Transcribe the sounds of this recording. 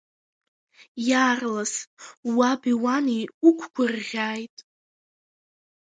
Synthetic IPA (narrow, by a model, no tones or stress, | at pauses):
jaːrlaswabiwaniukʷʰkʷʰʼʊrʁʲaːjtʼ